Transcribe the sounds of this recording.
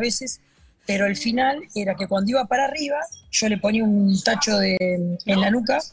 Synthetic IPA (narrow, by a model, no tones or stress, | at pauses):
βeses | peɾo̞elfinaleɾake̞kwand̪oiβapaɾariβaʒ̥o̞le̞po̞niaunt̪at͡ʃo̞ðeenlanuka